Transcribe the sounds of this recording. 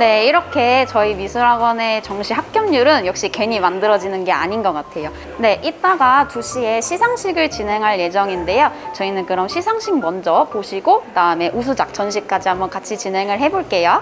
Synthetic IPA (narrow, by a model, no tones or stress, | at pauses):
ne̞iɾʌkʰe̞t͡ɕʌimisʰuɾaɡwʌne̞t͡ɕʌŋɕʰiɦak̚k͈jʌŋɲuɾɯnjʌk̚ɕ͈ikwe̞ɲimandɯɾʌd͡ʑinɯnɡe̞a̰ɲinɡʌk͈atʰe̞jo | ne̞ʔit͈aɡatuɕʰie̞ɕʰisʰaŋɕʰiɡɯɭt͡ɕinɦe̞ŋɦaɭje̞d͡ʑʌŋinde̞jot͡ɕʌinɯnkɯɾʌmɕʰisʰaŋɕʰiŋ̚mʌnd͡ʑʌpoɕʰiɡokɯdaɯme̞ʔus̬ʰud͡ʑak̚t͡ɕʰʌnɕʰik̚k͈ad͡ʑiɦambʌnkat͡ɕʰit͡ɕinɦe̞ŋɯɭɦe̞boɭk͈e̞jo